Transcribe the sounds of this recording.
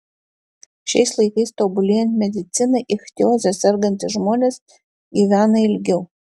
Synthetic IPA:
ʃʲɛɪslˠɐɪkɐɪst̪oːbʊlʲeːjɛnt̪ʲmʲɛd̪ʲɪt̪sʲɪnɐɪʔɪxt̪ʲjoːzʲɛsʲɛɾɡɐnʲt̪ʲɪʒmoːnʲeːs | ɡʲiːʋʲæːnɐɪlʲɡʲɛʊ

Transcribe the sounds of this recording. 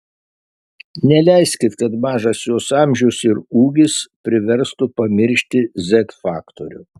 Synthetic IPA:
nʲɛlʲæɪsʲkʲɪt̪kɐt̪mɑːʒɐsjuːsɑˑmʲʒʲʊsɪɾuːɡʲɪspʲɾʲɪʋʲɛɾst̪ʊpɐmʲɪɾʲʃʲt̪ʲɪzʲɛt̪fɑːkt̪oɾʲʊ

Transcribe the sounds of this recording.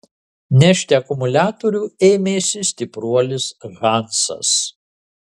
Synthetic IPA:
nʲɛʃʲt̪ʲeɐkʊmʊlʲæːt̪oɾʲuːeːmʲeːsʲɪsʲt̪ʲɪpɾuɔlʲɪsɣɑnsɐ̰s

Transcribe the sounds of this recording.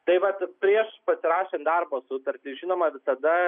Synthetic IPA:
t̪ɐɪʋɐt̪pʲɾʲiɛʃpɐsʲɪɾɑːʃʲend̪ɐrboːsʊt̪ɐɾʲt̪ʲɪʒʲinoːmɐʋʲɪsɐd̪ɐ

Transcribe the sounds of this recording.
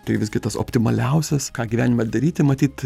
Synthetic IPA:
t̪ɐɪʋʲɪsɡʲɪt̪ɐso̰ːpʲt̪ʲɪmɐlʲɛʊsʲɛskɑːɡʲiʋʲæːnʲɪmɐd̪ɐɾʲiːt̪ʲɪmɐt̪ʲiːt̪

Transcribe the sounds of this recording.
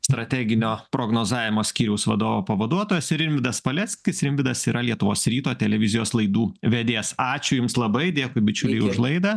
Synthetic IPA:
st̪ɾɐt̪ʲæːɡʲɪnʲoːpɾoːɡnoːzɑːʋʲɪmoːsʲkʲiːɾʲɛʊsʋɐd̪oːʋoːpɐʋɐd̪uɔt̪oːjɛsɪɾɪnʲʋʲɪd̪ɐspɐlʲɛsʲkʲɪsɪɾɪnʲʋʲɪd̪ɐsiːɾɐlʲiɛt̪ʊʋoːsɾʲiːt̪oːt̪ʲɛlʲɛʋʲɪzʲɪjoːslˠɐɪd̪uːʋʲɛd̪ʲeːsɑːt͡ʃʲʊjʊmslˠɐbɐɪd̪ʲeːkʊɪbʲɪt͡ʃʲʊlʲɛɪʊʒlˠɐɪd̪ɐ

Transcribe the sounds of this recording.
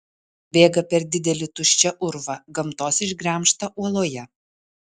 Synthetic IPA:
bʲeːɡɐpʲɛɾd̪ʲɪd̪ʲɛlʲɪt̪ʊʃʲt͡ʃʲɛʔʊɾʋɐɡɐmt̪oːsɪʒɡɾʲæːˑmʃt̪ɐʔuɔlˠoːjɛ

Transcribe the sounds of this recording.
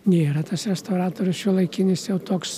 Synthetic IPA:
nʲeːɾɐt̪ɐsɾʲɛst̪ɐʊɾɑːt̪oːɾʲʊsʃʲʊlˠɐɪkʲɪnʲɪsjɛʊt̪oːks

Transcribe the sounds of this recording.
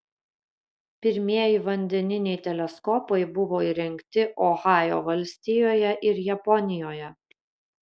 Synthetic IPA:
pʲɪɾʲmʲiɛjɪʋɐnʲd̪ʲɛnʲɪnʲɛɪt̪ʲɛlʲɛskɔpɐɪbʊʋoːiːɾʲɛŋʲkʲt̪ʲɪʔɔxɑːjo̰ːʋɐlʲsʲt̪ʲɪjoːjɛʔɪɾjɛpɔnʲɪjoːjɛ

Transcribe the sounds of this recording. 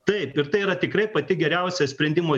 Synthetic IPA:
t̪ɐɪpɪɾt̪ɐɪiɾɐt̪ʲɪkɾɐɪpɐt̪ʲɪɡʲɛɾʲɛʊsʲɛsʲpʲɾʲɛnʲd̪ʲɪmoː

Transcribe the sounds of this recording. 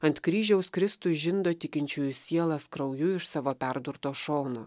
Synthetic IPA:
ɐnt̪kɾʲiːʒʲɛʊskɾʲɪst̪ʊʒʲɪnd̪oːt̪ʲɪkʲɪnʲt͡ʃʲʊːjʊsʲiɛlˠɐskɾɐʊjʊɪʃsɑːʋoːpʲɛɾd̪ʊɾt̪oːʃoːnoː

